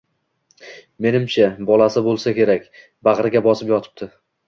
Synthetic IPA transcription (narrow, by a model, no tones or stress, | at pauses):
me̞nɪmt͡ʃʰabɒlˠasɪbolˠsakʲe̞ɾakʲ | baʁɾɪɡʲabɒsɪpjɒt̪ʰɪ̥p̚t̪ʰɪ